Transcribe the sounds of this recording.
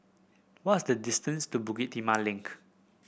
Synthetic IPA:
wɔtsdədistə̃nstubuɡit̚tːimalɪ̃ŋk

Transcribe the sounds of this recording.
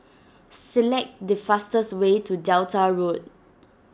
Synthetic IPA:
sɛlɛk̚dəfastəswetʰudɛwtaɹot̚

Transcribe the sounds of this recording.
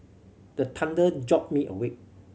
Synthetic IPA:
d̥ətʰãndəd͡ʒɔp̚miʔə̰we

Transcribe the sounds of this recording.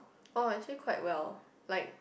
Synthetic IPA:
oaɪtʰikʰwaɪt̚wɛlˠ | laɪk̚

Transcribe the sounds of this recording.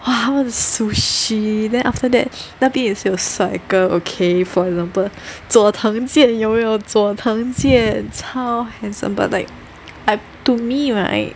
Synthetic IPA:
waɦawɔzəsuʃidɛ̃nʔaftədɛ̰t̚natĩŋitstisaɪkəokʰefɔɹɛɡzãmpəlt͡sɔt̪ʰãŋd͡ʒjɛ̃njomejot͡sɔt̪ʰãŋd͡ʒɛ̃nsʰaʊhɛ̃nsə̰̃mba̰t̚laɪk̚ | aɪ | tumiɹa̰ɪt̚

